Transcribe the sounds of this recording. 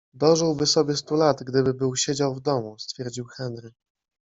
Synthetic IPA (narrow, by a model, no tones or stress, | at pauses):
d̪ɔʐɘwbɘsɔbʲjɛst̪ulad̪ɡd̪ɘbɘbɘwɕed͡ʑawvd̪ɔmust̪fʲjɛɾd͡ʑiwxɛnd̪ɾɘ